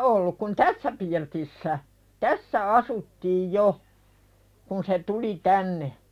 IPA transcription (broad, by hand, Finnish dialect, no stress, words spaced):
ʔolːuk kun tæsːæ pirtisːæ tæsːæ ɑsutːiːj jo kun se tuli tænːe